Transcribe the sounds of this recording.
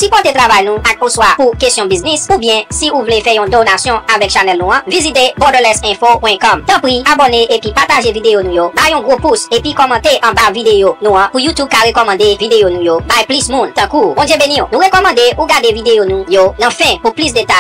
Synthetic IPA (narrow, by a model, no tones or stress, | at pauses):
sipɔ̃t̪et̪ʁavajnũakuswapukest̪jɔ̃biznisubjɛ̃siuvlefɛjɔ̃d̪onasjɔ̃avɛkʃanɛlnũãvizit̪ebɔdəlɛsɛ̃fopwɛ̃kɔmt̪ãpʁiabɔneʔepipataʒevid̪ejonũjobajɔ̃ɡʁopusepikɔmɑ̃t̪eʔɑ̃bavid̪ejonũãpujut̪ub̚kaʁekɔmɑ̃d̪evid̪eonũjobajplismũnt̪ɑ̃kubɔ̃djɛbenĩnũʁekɔmɑ̃d̪eʔuɡadevid̪ejonũjonãfɛ̃puplysd̪et̪aj